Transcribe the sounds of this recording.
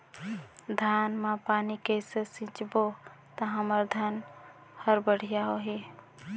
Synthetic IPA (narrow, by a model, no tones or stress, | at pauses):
d̪ʱaːnmãpaːnikeɪsesĩt͡ʃbo | t̪aɦəməɾd̪ʱan | həɾbəɽ̤ijaɦoɦi